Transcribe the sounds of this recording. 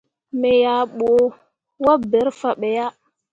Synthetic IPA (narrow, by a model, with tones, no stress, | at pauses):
me˨ja˨ɓo˨ | wa˦be˨˦ɾfa˨ɓe˨ja˦